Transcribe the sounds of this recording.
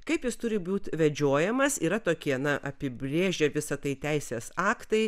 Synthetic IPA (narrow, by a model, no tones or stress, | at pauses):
kɐɪpjɪst̪ʊɾʲɪbuːt̪ʋʲɛd͡ʒʲoːjɛmɐsiːɾɐt̪oːkʲiɛnɐʔɐpʲɪbʲɾʲeːʒʲɛʋʲɪsɐt̪ɐɪt̪ʲɛɪsʲeːsɑːkt̪ɐɪ